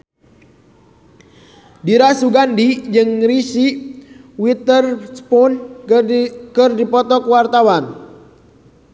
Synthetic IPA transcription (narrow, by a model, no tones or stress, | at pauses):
diɾasuɡandid͡ʒɨŋrisi | wit̪ərspɔn | kɨrdipɔt̪ɔkwart̪awan